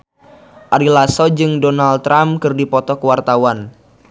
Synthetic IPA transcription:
ʔaɾilasɔd͡ʒɨŋdonalt̪ːɾamkɨrdipɔt̪ɔkəwart̪awan

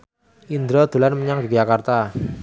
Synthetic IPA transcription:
ʔind̪ɾɔd̪̥ṳlanməɲaŋdi̥d͡ʒakart̪a

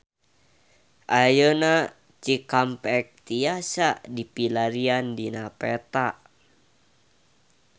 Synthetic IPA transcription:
ʔajəna | t͡ʃikampɛk̚t̪iasadipilaɾiandinapɛt̪aʔ

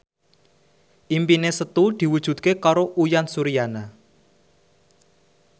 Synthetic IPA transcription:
ʔimpinesət̪ud̪̥i̤wud̥ʒ̥ṳt̪̚kekaɾoʔujansuɾijana

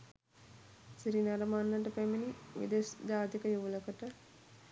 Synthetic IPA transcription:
siɾinaɾəmanːəʈəpæminiʋḭd̪esd͡ʒaːt̪ikəjuʋləkəʈə

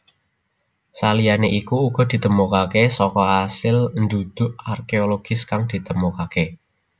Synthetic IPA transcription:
salijaneʔikuːɡ̥ɔ̤d̪̥i̤t̪əmukakesɔkɔasɪlnd̪ud̪̥ʊʔarkeoloɡ̥ɪskaŋd̪̥i̤t̪əmukake

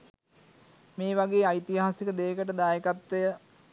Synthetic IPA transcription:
meːʋaɡeːajt̪iɦaːsikəd̪eːkəʈəd̪aːjekat̪ʋejə

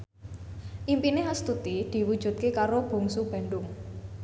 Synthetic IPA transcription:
ʔimpineɦast̪ut̪id̪̥i̤wud̥ʒ̥ṳt̪̚kekaɾob̥o̤ŋsub̥a̤ɳɖʊŋ

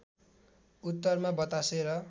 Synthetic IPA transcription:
ut̪ːʌrmabʌt̪aseɾʌ

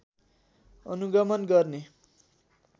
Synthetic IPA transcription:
ʌ̰nuɡʌmʌnɡʌrne

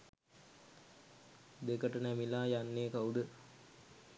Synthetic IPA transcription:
d̪ekəʈənæmilaːjanːeːkaud̪ə

